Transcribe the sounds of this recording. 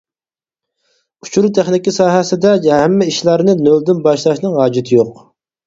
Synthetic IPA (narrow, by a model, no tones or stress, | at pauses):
u̥t͡ʃʰuɾut̪ʰæχnɪkʲisɑːɦɛsɪd̪ɛɦæmːɪiʃlæɾnɨnøld̪ɪnbɑʃlˠɑʃnɨŋɦɑːd͡ʒit̪ʰɪjoq